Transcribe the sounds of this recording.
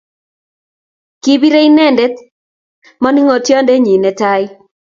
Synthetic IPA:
ki˦bi˦ɾe˦i˦nɛ˦˨ndɛ˦t̪̚ | mɔ˦ni˦ŋɔ˨tjɔ˦ndɛ˦ɲi˨nɛ˨ta˦ɪ˦

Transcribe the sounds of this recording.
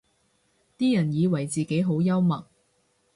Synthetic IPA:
t̪iː˥jɐ˨˩njiː˨˧wɐ˨˩jt͡siː˨ke˨˥jɦo˨˥wjɐ˥wmɐ˨˩k̚

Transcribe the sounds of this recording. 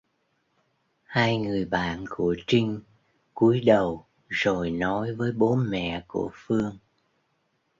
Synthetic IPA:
haː˧jŋɨ˨˩əjɓa̰ː˧˨nku˧˩ət͡ɕï˧ŋ̟ | ku˨˦əjɗə˨˩w | zo˨˩jnɔ˨˦jvəː˨˦jɓo˨˦nmɛ̰˧˨kṵ˧˩əfɨ˧əŋ

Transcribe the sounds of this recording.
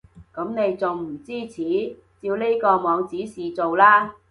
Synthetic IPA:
kɐ˨˥mne˨˧jt͡so˨wm̩˨˩t͡siː˥t͡sʰiː˨˥ | t͡siː˧wle˥kɔː˧mɔː˨˧ŋt͡siː˨˥siː˨t͡so˨wlaː˥

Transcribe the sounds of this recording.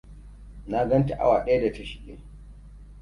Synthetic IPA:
na˦ɡɐ˦nta˨ʔa̰˦waː˨ɗɐ˦ja˦da˨tɐ˦ʃɪ̥˨kʲʼḛː˨

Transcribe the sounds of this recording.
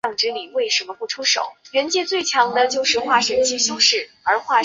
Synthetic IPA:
ŋʈ͡ʂɻ̩˧˥li˨˩we˥˩ɪʂə˧˥nmə˧pu˥˩ʈ͡ʂʰu˥ʂo̰˨˩˦ʊɥɛ˧˥nt͡ɕjɛ˥˧t͡swe˥˩ɪt͡ɕʰjɑ˧˥ŋd̪ə˧t͡ɕjo˥˧ʊʂɻ̩˥˧xwa˥˩ʂə˨˩t͡ɕʰi˥ɕjo˥˧ʊʂɻ̩˥˩ | ə˞˧˥xwa˥˩

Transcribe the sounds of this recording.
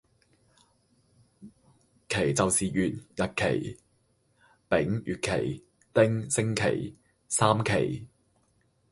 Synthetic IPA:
kʰe˨˩jt͡sɐ˨wsiː˨jyː˨t̚jɐ˨t̚kʰe˨˩j | pɪ˨˥ŋjyː˨t̚kʰe˨˩j | t̪ɪ˥ŋsɪ˥ŋkʰḛ˨˩j | saː˥mkʰe˨˩j

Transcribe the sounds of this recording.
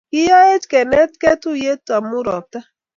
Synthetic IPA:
i˦ja˦e˦t͡ʃke˨ne˦tke˦tu˦˨je˦ta˨m̩˦u˦ɾɔ˨ta˦

